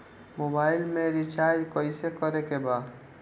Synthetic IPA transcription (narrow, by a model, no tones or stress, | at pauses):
mobaɪlmeɾit͡ʃaɾd͡ʒkəɪsekəɾekeba